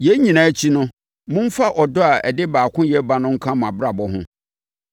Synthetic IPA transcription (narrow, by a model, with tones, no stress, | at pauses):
jɛ˦ɲĩ˨nã˨˦t͡ɕʰi˦nʊ̃˦ | mʊ̃˦m̩˦fa˦ʔɔ˨dɔ˦a˨ɛ̰˨dɪ˦baː˨kʰʊ̃˦jɛ˦ba˦nʊ̃˦ŋ̩˦kʰã˦m˨ã˨bɾa˨bɔ˦ɦʊ̰̃˦